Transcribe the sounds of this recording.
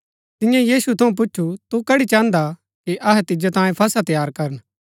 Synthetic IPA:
t̪ɪ̃jãjiːsut̪ʰɐũp̬ʊt͡ʃːʰut̪ukɐɽit͡ʃãːnd̪a | kiʔɐɦɛt̪ɪd͡ʒat̪ãːjẽpʰɐsat̪jaːɾkɐɾən

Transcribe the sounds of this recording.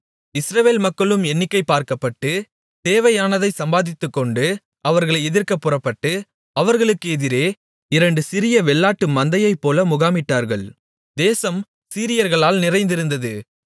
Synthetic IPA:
ɪsɾɐʋeːlmɐkːɐɭɯmɛnːɪkːɐɪpːaːɾkɐpːɐʈːɯ | d̪̥eːʋɐjaːnɐðɐɪsɐmbaːðɪt̪ːɯkːɔɳɖɯ | ɐʋɐɾɣɐɭɐɪɛðɪɾkɐpːɯrɐpːɐʈːɯ | ɐʋɐɾɣɐɭɯkːɯɛðɪɾeː | ɪɾɐɳɖɯsɪɾɪjɐʋɛɭːaːʈːɯmɐnd̪ɐjɐɪpːoːlɐmʊɣaːmɪʈːaːɾɣɐɭ | d̪eːsɐm | siːɾɪjɐɾɣɐɭaːlnɪrɐɪnd̪ɪɾɯnd̪ɐðɯ

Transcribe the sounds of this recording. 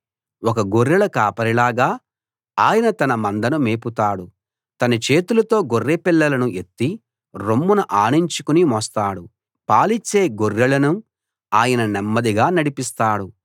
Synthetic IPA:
ɔkɐɡoɾːɐlɐkaːpɐɾilaːɡaː | aːjɐnɐt̪ɐnɐmɐnd̪ɐnumeːput̪aːɽu | t̪ɐnɐt͡ʃe̞ːt̪ulɐt̪o̞ːɡorːepilːɐlɐnuʔe̞t̪ːi | ɾomːunɐʔaːɳiɲt͡ʃukunimɔst̪aːɽu | paːlit͡ʃːe̞ːɡorːɐɭɐnu | aːjɐnɐnɛmːɐd̪iɡaːnɐɽipist̪aːɽu

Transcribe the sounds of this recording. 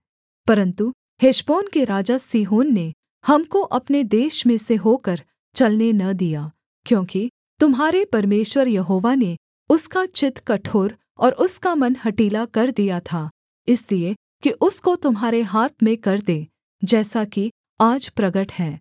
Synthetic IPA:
pɐɾə̃nt̪u | heʃboːnkeɾaːd͡ʒasiːɦoːnːe | hɐmkoʔɐpned̪eːʃmẽseɦoːkɐɾ | t͡ʃɐlnenɐd̪ijaː | kjõːki | t̪ʊmɦaːɾepɐɾmeːʃwəɾjɐɦoːʋane | ʊskat͡ʃɪt̪kɐʈʰoːɾ | ɔːɾʊskamɐnɦɐʈiːlakɐɾd̪ijat̪ʰaː | ɪslie | kiʔʊskot̪ʊmɦaːɾeɦaːt̪ʰmẽkɐɾd̪eː | d͡ʒɛːsaki | aːd͡ʒpɾɐɡəʈhɛ̃ː

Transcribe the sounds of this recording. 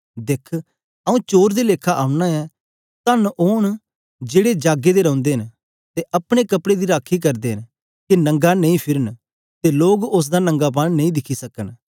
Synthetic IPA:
d̪ekʰ | ɐũːt͡ʃoːɾd̪eːleːkʰːaʔaːʊnaːɛː | t̪ɐnoːɳ̃ | d͡ʒeːɽed͡ʒaːɡed̪eːɾɐ̃ːnd̪eːɦən | t̪eʔɐpɽ̃eːkəpɽed̪iːɾaːkʰːik̬ɐɾd̪eːɦən | kinə̃ŋɡanɐ̃ĩːpʰɪɾən | t̪eːloːɡʊs̬d̪aːnə̃ŋɡaːp̬annɐ̃ĩːd̪ɪkʰisəkən

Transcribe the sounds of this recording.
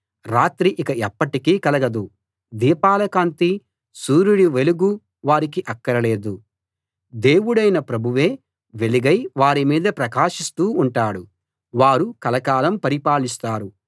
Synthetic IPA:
ɾaːt̪ɾiʔikɐɛpːɐʈikiːkɐlɐɡɐd̪u | d̪iːpaːlɐkaːnt̪i | suːɾuɽiʋe̞luɡu | ʋaːɾik̬iʔɐkːɐɾɐle̞ːd̪u | d̪e̞ːwuɽɐjnɐpɾɐbʱuʋe̞ː | ʋe̞liɡɐjʋaːɾimiːd̪ɐpɾɐkaːʂist̪uːɳʈaːɽu | ʋaːɾukɐlɐkaːlɐmpɐɾipaːlist̪aːɾu

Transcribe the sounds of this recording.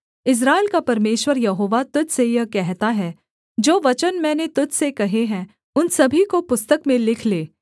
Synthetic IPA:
ɪs̬ɾaːɪlkapɐɾmeːʃwəɾjɐɦoːʋat̪ʊd͡ʒʱsejɐkɛɦt̪aɦɛː | d͡ʒoːʋɐt͡ʃənmɛ̃ːnet̪ʊd͡ʒsekɐɦeɦɛ̃ | ʊnsɐbʱikopʊst̪əkmẽlɪkʰleː

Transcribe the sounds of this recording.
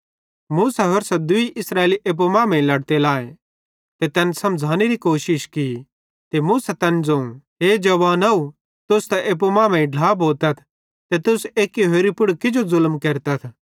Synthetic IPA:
muːsaɦoɾsɐd̪ʊiʔɪsɾaːeːliʔep̬umãːmẽĩlɐɽt̪elãːẽ | t̪et̪ɛːnsɐ̃md͡zʱaːniɾikoːʃɪʃki | t̪emuːsat̪ɛnd͡zõ | ɦeːd͡ʒɐʋaːnɐu | t̪ʊst̪ɛʔeːp̬umãːmẽĩɖʱlaːbʱoːt̪ɐt̪ʰ | t̪et̪ʊseːkiɦoːɾipʊɽkɪd͡ʒozʊlmkeːɾt̪ɐt̪ʰ

